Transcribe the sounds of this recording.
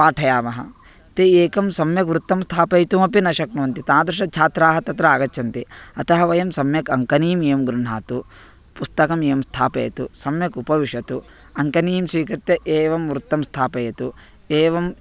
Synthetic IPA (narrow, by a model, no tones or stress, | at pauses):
paːʈʰɐjaːmɐɦɐ̰̆ | t̪ieːkɐmsɐmjɐkʋɾut̪ːɐmst̪ʰaːpɐjt̪umɐpinɐʃɐknuʋɐnt̪it̪aːd̪ɾɐʂɐt͡ʃʰaːt̪ɾaːɦɐt̪ɐt̪ɾɐaːɡɐt̪ːt͡ʃʰɐnt̪iɐt̪ɐɦɐʋɐjɐmsɐmjɐkɐŋkɐniːmeːmɡɾuɳ̤ɦaːt̪u | pust̪ɐkɐmeːɐmst̪ʰaːpɐ̰jɐ̰t̪usɐmjɐkupɐʋiʂɐt̪u | ɐŋkɐniːmsʋiːkɐɾt̪jɐʔeːʋɐmʋɾut̪ːɐmst̪ʰaːpɐjɐt̪u | eːʋɐm